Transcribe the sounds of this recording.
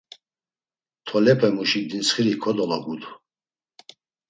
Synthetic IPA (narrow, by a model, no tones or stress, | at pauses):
t̪ʰɔlɛpʰɛmuʃiɡ̚d̪insχiɾikʰɔd̪ɔlaɡud̪u